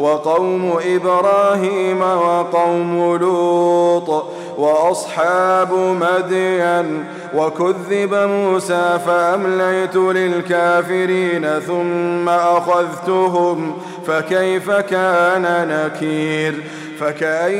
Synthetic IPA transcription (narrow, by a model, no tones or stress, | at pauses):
wɑqɑwmʊʔɪbɾɑːɦiːmawɑqɑwmʊluːt̪ˤ | wɑʔɑsˤħɑːbʊmad̪jan | wakʊðːɪbamuːsaːfaʔamlajt̪ʊlɪlkaːfɪɾiːnaθʊmːaʔaxaðt̪ʊɦʊm | fakajfakaːnanakiːɾ | fakaʔa